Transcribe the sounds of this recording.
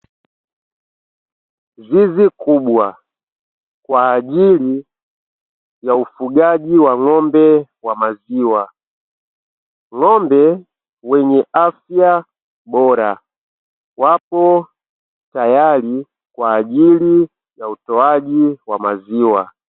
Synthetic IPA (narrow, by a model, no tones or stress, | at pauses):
zizikʰubwa | kwaːʄili | jaufuɡaʄiwaŋɔmbɛwamaziwa | ŋɔmbɛ | wɛɲɛʔafja | bɔɾa̰ | wapɔ | tajali | kwaːʄili | jautɔaʄiwamaziwa